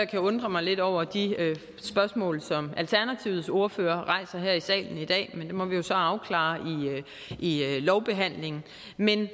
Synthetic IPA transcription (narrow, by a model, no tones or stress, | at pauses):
ɑkʰæɔ̽nd̥ʁɐmɑ̈ɪle̝d̥ɒʊ̰ɐd̥iø | sb̥ɶɐsmɔ̰ːlsɒ̽mælt͡sʰæɐnæt͡sʰiʊð̩ˠso̝ɐføːɐʁɑ̈ɪ̰sɐɦeɐ̰isɛ̰ːln̩id̥ɛ̰ːmend̥e̝mɒ̽ʋijo̝sɒ̽ɑ̈ʊkʰlɑ̰̈ːi | ilɒʊb̥e̝ɦæn̰le̝ŋn̩ | men